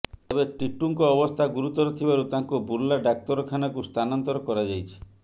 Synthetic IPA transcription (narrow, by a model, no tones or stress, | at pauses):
ebeʈiʈuŋkɔːbɔst̪ʰaɡuɾut̪ɔɾɔt̪ʰibaɾut̪aŋkubuɾlaɖak̚t̪ɔɾɔkʰanakust̪ʰanɔnt̪ɔɾɔkɔɾad͡ʒajt͡ʃʰi̥